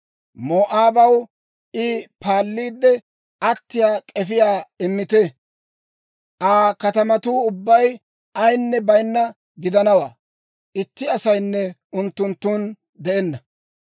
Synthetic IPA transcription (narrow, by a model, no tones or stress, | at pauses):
moːʔaːbɐw | ʔɪpaːlːiːd̪ːɛ | ɐt̪ːɪjaːkʼɛfɪjaːɪmːɪt̪ɛ | ʔaːkɐt̪ɐmɐt̪uːʊbːɐj | ɐjnːɛbɐjnːɐ | ɡɪd̪ɐnɐwaː | ʔɪt̪ːɪɐsɐjnːɛʊnt̪ːʊnt̪ːuːn | d̪ɛʔɛnːɐ